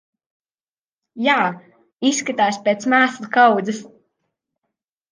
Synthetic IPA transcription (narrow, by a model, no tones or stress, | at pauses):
jaː | isːkat̪aːspʲeːt̪smaːslˠkawd̪zɨs